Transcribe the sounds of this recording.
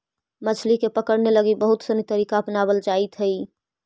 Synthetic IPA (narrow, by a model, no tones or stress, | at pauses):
mət͡ʃʰlikepəkəɽneləɡibəɦut̪sənit̪əɾikaəpnabəld͡ʒait̪ɦəj